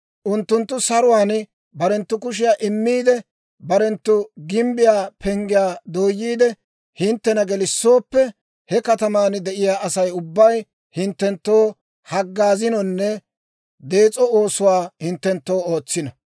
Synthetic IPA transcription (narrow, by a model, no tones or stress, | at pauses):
ʔʊnt̪ːʊnt̪ːʊsɐɾʊwaːn | bɐɾɛnt̪ːʊkʊʃ̬ɪjaːʔɪmːiːd̪ɛ | bɐɾɛnt̪ːʊɡɪmbɪjaːpʰɛŋɡɪjaːd̪o̞ːjːiːd̪ɛ | hɪnt̪ːɛnɐɡɛlɪsːo̞ːpːɛ | hɛkɐt̪ɐmaːnd̪ɛʔɪjaːʔɐsɐjʊbːɐj | hɪnt̪ːɛnt̪ːo̞ː | hɐɡːaːzɪnɔnːɛ | d̪e̞ːt͡sʼɔo̞ːsʊwaːhɪnt̪ːɛnt̪ːo̞ːoːt͡sːɪnɐ